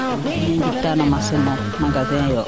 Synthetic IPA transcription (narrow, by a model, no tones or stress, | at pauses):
nĩditanɔmasɛmɔ | mãɡaðɛ̃jɔ